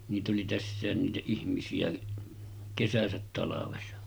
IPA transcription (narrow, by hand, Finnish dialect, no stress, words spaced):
niːt oli tæsːæˑen niːtæ ihmisiæ kesæsæt tɑlɑʋesɑ